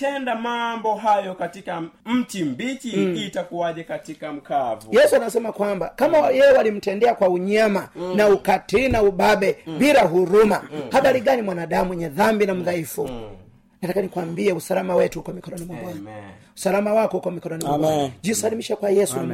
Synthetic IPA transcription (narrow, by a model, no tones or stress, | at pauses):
tɛndamambɔɦajɔkatikam̩timbit͡ʃiːtakuwaʄɛkatikam̩kavujɛsuanasɛmakwambakamajɛɛwalim̩tɛndɛakwauɲamanaukatinauɓaɓɛbiɾaɦuɾumahaɓaɾiɡanimwanaɗamuwɛɲɛðambinam̩ðaifu | natakanikwambiɛusalamawɛtuhukɔmikɔɾɔnimabɔa | usalamawakɔhukɔmikɔɾɔnimabad͡ʒisalimiʃakwajɛsu